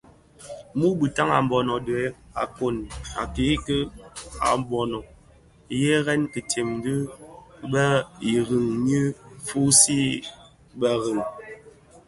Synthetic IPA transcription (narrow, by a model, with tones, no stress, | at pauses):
mu˦bi˨ta˦ŋa̰˨m˨bɔ˨nɔ˨dɛ˨˦a̰˨ko˨na̰˨ke˨˦kə˦a̰˨mbɔ˨nɔ˨ | jɛ˦ɣɛ˦nkə˨te˨m˦dɨ˦bə˦i˨ɣi˨ŋɲi˦fu˦si˦ | bə˦ɣi˨ŋ